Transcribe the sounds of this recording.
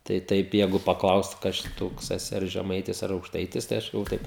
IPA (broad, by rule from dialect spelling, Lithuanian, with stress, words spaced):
tɐɪ ˈtɐɪp ˈjæːɡʊ pɐˈklˠɐʊst ˈkɐs t͡ʃʲɛ ˈtoːks ɛˈsʲɪ ɐr ʒʲɛˈmɐɪtʲɪs ɐr ɐʊkˈʃtɐɪtʲɪs tɐɪ ˈɐʃ ɡɐlˠˈʋoːjʊ ˈtɐɪp